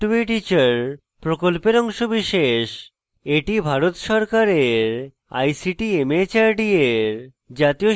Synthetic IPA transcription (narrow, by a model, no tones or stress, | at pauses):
ʈeʈit͡ɕaɾ | pɾokolpeɾɔŋʃobiʃeʃ | eʈibʱaɾot̪ʃɔɾkaɾeɾ | a̰jsiʈiemet͡ɕaɾɖieɾ | d͡ʑat̪io